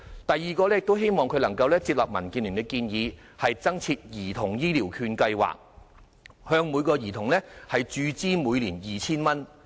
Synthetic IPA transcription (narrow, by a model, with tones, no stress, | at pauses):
t̪ɐ˨jːiː˨kɔː˧lɛ˥jɪ˨k̚t̪o˥wɦe˥jmɔː˨ŋkʰɵ˧lɐ˨˩ŋkɐ˧wlɛː˥t͡siː˧p̚lɐ˨p̚mɐ˨˩nkiː˧nli˨˩ŋt̪ɛ˧kːiː˧njiː˨˧ | hɐ˨jt͡sɐ˥ŋt͡sʰiː˧t̚jiː˨˩t̪ʰʊ˨˩ŋjiː˥liː˨˩wkʰyː˧nkɐ˧jwa̰ː˨k̚ | hœː˧ŋmu˨˧jkɔː˧jiː˨˩t̪ʰʊ˨˩ŋlɛː˥hɐ˨jt͡ʃyː˨˧t͡siː˥muː˨˧jliː˨˩njiː˨˩t͡sʰiː˥nmɐ˥n